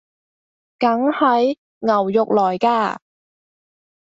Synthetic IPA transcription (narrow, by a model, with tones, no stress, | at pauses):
kɐ˨˥ŋhɐ˨˥j | ŋɐ˨˩wjʊ˨k̚lɔː˨˩jkaː˧